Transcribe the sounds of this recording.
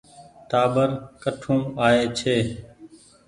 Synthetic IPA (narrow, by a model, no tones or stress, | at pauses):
t̪aːbəɾkəʈʰũːaːeːt͡ʃʰeː